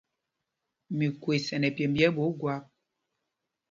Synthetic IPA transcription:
mi˨kwe˨sɛ˨nɛ˨pje˨m˦bjɛ˦bo˨˦ɡwa˦p̚

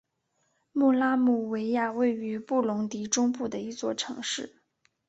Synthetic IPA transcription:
mu˥˩la˥mu˥˩we˧˥ɪja˥˧we˥˩ɪy˧˥pu˥˩lʊ˧˥ŋt̪i˧˥ʈ͡ʂʊ˥ŋpu˥˩d̪ə˩i˧˥t͡swɔ˥˩ʈ͡ʂʰɤ˧˥ŋʂɻ̩˥˩

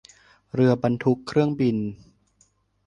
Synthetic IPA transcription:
ɾɯ˧ɐba˧nt̪ʰu˦˥kʰːɾɯ˥˩əŋbi˧n

